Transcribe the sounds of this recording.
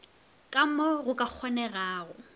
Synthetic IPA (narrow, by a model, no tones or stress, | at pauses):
kʼamɔɣʊkʼak͡xʰɔnɛɣaːɣʊ